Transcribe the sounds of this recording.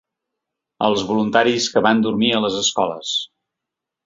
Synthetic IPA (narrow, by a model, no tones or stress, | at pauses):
ə̰lˠzβulunt̪aɾiskəβand̪uɾmiələzəskɔlə̰s